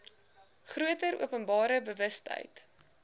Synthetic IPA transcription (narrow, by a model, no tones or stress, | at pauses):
χruətəɾʔṵəpənbɑːɾəbəvəstə̰jt